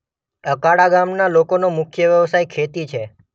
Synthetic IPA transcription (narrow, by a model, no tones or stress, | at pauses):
əkaɽaɡamnalokonomʊkʰjəʋjəʋsajkʰet̪it͡ʃʰe